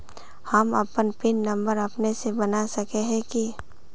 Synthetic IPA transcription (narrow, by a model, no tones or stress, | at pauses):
həmɐpənpɪnːɐ̃mbəɾɐpnesebɐnasɐkeɦɛ̃ki